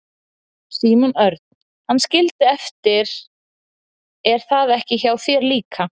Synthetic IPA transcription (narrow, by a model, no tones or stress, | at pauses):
siːmunœɾt̪̚n | hanːscɪlt̪ɪɛft̪ɪɾ | ɛɾ̥θaðɛhcɪçawθvjɛːɾliːkʰa